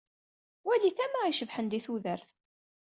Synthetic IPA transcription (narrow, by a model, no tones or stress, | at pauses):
wæliθæmaiʃəvħənd̪iθuðəɾθ